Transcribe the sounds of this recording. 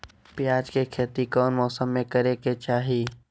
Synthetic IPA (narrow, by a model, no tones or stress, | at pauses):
pjaːd͡ʒkekʰeːt̪ikɔːnmɔːsəmːẽkəɾeket͡ʃaːɦiː